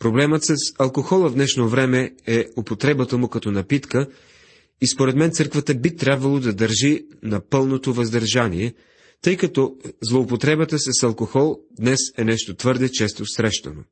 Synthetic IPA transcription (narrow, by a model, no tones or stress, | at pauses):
pɾoblɛmət̪səsɐlˠkoxɔlˠəvd̪nɛʃnovɾɛmɛɛopot̪ɾɛbət̪əmʊkɐt̪ɔnɐpit̪kə | ispoɾɛd̪mɛnt̪sɤɾkvət̪əbit̪ɾʲjabvɐlˠod̪ɐd̪əɾʒinɐpɤlˠnot̪ovɐzd̪ɐɾʒaniɛ | t̪ɤjkɐt̪ɔzlˠoːpot̪ɾɛbət̪əsɛsɐlˠkoxɔlˠd̪nɛsɛnɛʃt̪ot̪vɤɾd̪ɛt͡ʃɛst̪osɾɛʃt̪ɐno